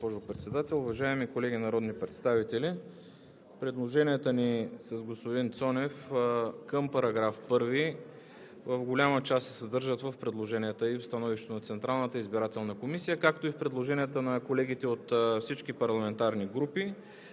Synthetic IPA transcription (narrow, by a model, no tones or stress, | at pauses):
ospɔʒʊpɾɛt̪sɛd̪at̪ɛlˠʊvɐʒaɛmikolɛɡinɐɾɔd̪nipɾɛt̪st̪avit̪ɛli | pɾɛd̪lˠoʒɛniət̪ənisɐzɡospod̪int̪sɔnɛfkəmpɐɾɐɡɾafpɤɾvi | vəvɡolʲamət͡ʃassɛ̥sɐd̪ɤɾʒət̪vəfpɾɛd̪lˠoʒɛnʲiɛt̪əifst̪ɐnɔviʃtɛt̪onɐt̪sɛnt̪ɾalˠnət̪əizbiɾat̪ɛlˠnəkomisijəkak̚t̪oifpɾɛd̪lˠoʒɛnijət̪ənɐkolɛɡ̟it̪ɛot̪fsit͡ʃkipɐɾlˠɐmɛnt̪aɾniɡɾupi